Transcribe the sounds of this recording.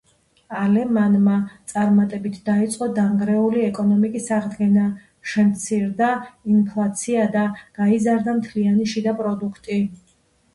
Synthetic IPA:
alɛmanmat̪sʼaɾmat̪ʼɛbit̪ʰd̪̥ait̪sʼqʼɔd̪aŋɡɾɛuliɛkʼɔnɔmikʼisaʁd̪ɡɛna | ʃɛmt̪sʰiɾd̪ainpʰlˠat̪sʰiad̪aɡ̥aizaɾd̪amt̪ʰlianiʃid̪apʼɾɔd̪ukʰt̪ʼi

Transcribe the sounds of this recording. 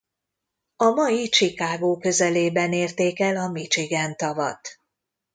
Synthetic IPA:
ɒmɒjit͡ʃikaːɡoːkø̞zɛleːbɛneːrt̪eːkɛlɒmit͡ʃiɡɛnt̪ɒvɒ̰t̪

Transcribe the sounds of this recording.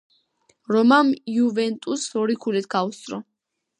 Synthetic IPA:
ɾɔmamjuvɛnt̪ʼusɔɾikʰulɛt̪̚ʰɡaust̪ʼɾɔ

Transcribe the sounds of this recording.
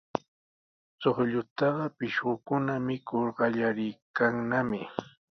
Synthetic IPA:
t͡soχʎʊt̪ɑɢɑpɪʃɢʊkʊnamɪkʊɾɢɑʎaɾɪjkaŋnamɪ

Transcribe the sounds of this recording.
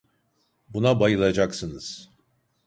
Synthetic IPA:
bunabajɯlˠad͡ʒaksɯnɯz̥

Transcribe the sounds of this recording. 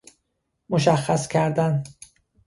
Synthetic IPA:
moʃæxːæscʰæɾd̪æn

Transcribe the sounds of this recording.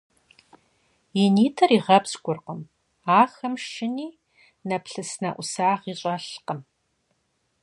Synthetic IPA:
jɪniːtʰɐriːʁɐpsɡʷʊrqəm | aːxɐmʃɪniː | nɐpɬɨsnɐʔʷʊsaːʁiːɕʼɐɬqəm

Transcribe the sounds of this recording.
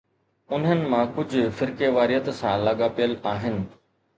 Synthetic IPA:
ʊn̤ənɪ̆mãkʊd͡ʑʱʊ̆fɪɾkeʋaːɾiət̪sãlɐɠapijəlaːɦɪnɪ̆

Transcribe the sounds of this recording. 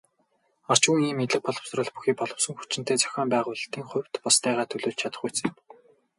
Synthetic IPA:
ar̥t͡ɕɣuŋiːmet̪ɮɘ̆k̚pɔɮɞ̆w̥srə̆ɮpu̥xiːk̚pɔɮɞ̆wsɞ̆ŋxu̥t͡ɕɪ̆n̥t̪eːt͡sœ̥xʲɔːmpæːʁʊːɮ̆t̪iːŋχʊw̥ʲt̪pɔst̪ʰæːʁaːt̪ʰɵɮoːɮt͡ɕʰat̪ə̥̆χɡujt͡sĕːm

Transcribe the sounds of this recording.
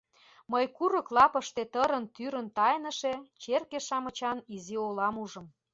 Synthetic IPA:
məjkuɾə̆klɑpə̆ʃt̪et̪əɾənt̪yɾə̆nt̪ɑjnə̆ʃet͡ɕerkeʃɑmə̆t͡ɕɑniziolɑmuʒə̆m

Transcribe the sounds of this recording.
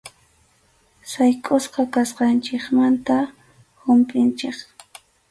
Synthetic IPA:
sajkʼʊsqɑkasqɑnt͡ʃɪkmant̪a | hʊmpʼɪnt͡ʃɪk

